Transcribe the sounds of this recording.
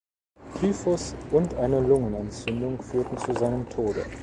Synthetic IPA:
pʰyːfɔsʔʊntʔaɪnəlʊŋənɛnt͡sʏndʊŋfyːɐtn̩t͡suzaɪnəmtʰoːdə̰

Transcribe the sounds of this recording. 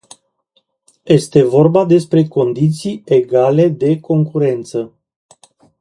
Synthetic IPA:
je̞st̪e̞vo̞rbad̪e̞spɾe̞ko̞nd̪it̪sije̞ɡale̞d̪e̞ko̞ŋkuɾe̞nt̪sə

